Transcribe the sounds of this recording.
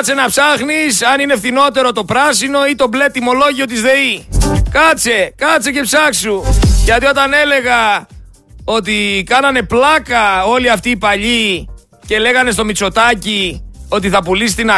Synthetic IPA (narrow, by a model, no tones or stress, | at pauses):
t͡se̞nɐpsɐxnisɐnine̞fθino̞t̪e̞ɾo̞t̪o̞pɾɐsino̞it̪o̞ble̞t̪ːimo̞loʝio̞t̪̬izðe̞ikɐt͡se̞kɐt͡se̞ce̞psɐksuʝɐt̪io̞t̪ɐne̞le̞ɣɐ | o̞t̪ikɐnɐne̞plɐkɐo̞liɐft̪iːpɐʎi | ce̞le̞ɣɐne̞st̪o̞mit͡so̞t̪ɐcio̞t̪̬iθɐpulist̪inɐ